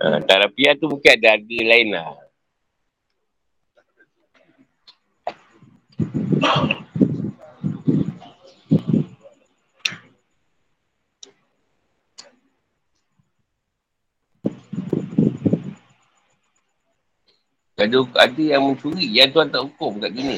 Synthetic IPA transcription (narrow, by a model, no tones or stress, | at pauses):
ʔə̰t̪aɾapiat̪umukɪnadaadəlaɪnla̰ | kaduka̰dijaŋmənt͡ʃuɾijat̪uat̪aʔukʊmkaʔɡini